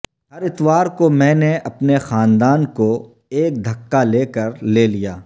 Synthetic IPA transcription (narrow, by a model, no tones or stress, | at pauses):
ɦɐɾɪt̪ʋaːɾkomɛ̃ːneʔɐpnexaːnd̪aːnko | eːk̚d̪ʱɐkːaleːkɐɾleːlijaː